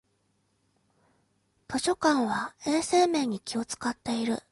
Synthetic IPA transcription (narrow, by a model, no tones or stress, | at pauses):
t̪o̞ɕo̞kãɰ̃βae̞ːse̞ːmẽ̞ːɲ̟ikʲio̞t͡sɨ̥kat̪ːe̞iɾɯ̟